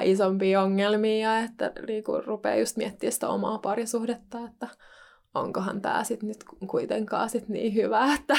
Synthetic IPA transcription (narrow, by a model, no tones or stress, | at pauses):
isompiːoŋːelmiːɑet̪ːæ̰niːkṵrupḛːjust̪miɛt̪ːiːsi̥t̪o̰mɑ̰ːpɑrisuhdet̪ːɑet̪ːæ | o̰ŋkohɑ̰nt̪æ̰ːsit̪nyt̪kkuit̪eŋkɑ̰ːsit̪nḭːhyʋæet̪ːæ